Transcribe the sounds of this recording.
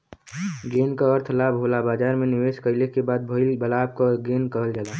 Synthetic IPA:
ɡeːnkaəɾt̪ʰlaːbʱɦoːlabaːd͡ʒaːɾmẽnɪʋeːʃkəɪlekebaːd̪̚bʱoɪlbəlaːb̚kaɡeːnkəɦəld͡ʒaːla

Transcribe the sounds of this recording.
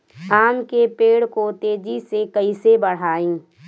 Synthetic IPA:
aːmkepeːɽkot̪eːd͡ʒisekəisebəɽ̤aːĩː

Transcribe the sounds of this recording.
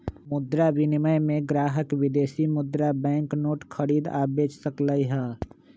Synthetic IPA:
mʊd̪ɾabɪnɪməjmẽɡɾaːɦəkwɪd̪eːsimʊd̪ɾabɛ̃ːŋknoːʈkʰəɾiːd̪a̰ːbeːt͡ʃsəkləiɦɛː

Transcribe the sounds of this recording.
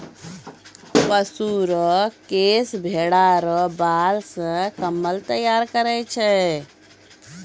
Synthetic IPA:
pəsuɾɔkesbʱeɽaɾɔbalsə̃kəmːəlt̪əjaɾkəɾɛt͡ʃʰɛ

